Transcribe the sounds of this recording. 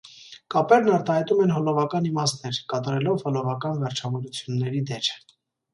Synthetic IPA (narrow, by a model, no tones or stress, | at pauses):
kɑpɛɾnɑɾt̪ɑhɑjt̪umɛnɦɔlɔvɑkɑnimɑst̪nɛɾkɑt̪ɑɾɛlɔvhɔlɔvɑkɑnvɛɾt͡ʃʰɑvɔɾut͡sʰjunːɛɾid̪ɛɾ